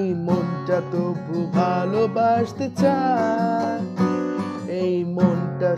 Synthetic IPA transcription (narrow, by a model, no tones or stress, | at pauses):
jmonʈat̪obʱubʱalobaʃt̪et͡ɕʰa | ejmonʈa